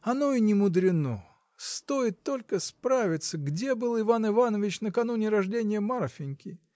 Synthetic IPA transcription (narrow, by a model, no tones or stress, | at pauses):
ɐno̞inʲɪmʊd̪ɾʲɪno̰ | st̪o̞jɪt̪ːo̞lʲkəspɾavʲɪt̪səɡdʲebɨlˠɪvanɪvanəvʲɪt͡ɕnəkɐnunʲɪɾɐʐdʲenʲɪjəmarfʲɪnʲkʲɪ